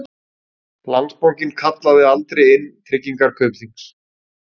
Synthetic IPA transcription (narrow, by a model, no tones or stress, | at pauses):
lant̪spawcɪnkʰat̪laðɪalt̪ɾɛjɪnːt̪ʰɾɪcːiŋkaɾ̥kʰœːpθiŋks